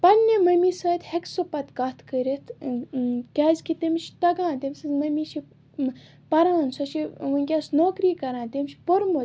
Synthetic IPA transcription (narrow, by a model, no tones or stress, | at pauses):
pɐnʲːemɐmisɐːt̪heksopɐt̪kɐt̪ʰkəɾʲet̪ʰ | kʲaːzkit̪emʃi̥t̪ɐɡãːt̪emʲsɨmɐmiʃi | pɐɾaːnsɐʃiʋɐnʲkʲasnoːkɾiːkɐɾãːnt̪emʲʃʲpoɾmo